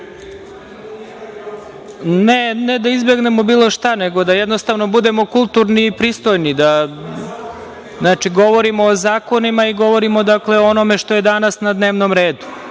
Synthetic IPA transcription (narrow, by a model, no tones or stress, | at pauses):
nened̪aizbe̞ɡne̞mo̞biːlˠo̞ʃt̪ane̞ɡo̞d̪ajɛd̪nost̪aʋno̞bud̪e̞mo̞kulˠt̪uɾniːpɾiːst̪o̞jnid̪a | znaːt͡ʂiɡo̞ʋo̞ɾimo̞ːzaːko̞nimaiɡo̞ʋo̞ɾimod̪akle̞oono̞me̞ʂt̪o̞je̞d̪anasnad̪ne̞ːʋnomɾeːd̪u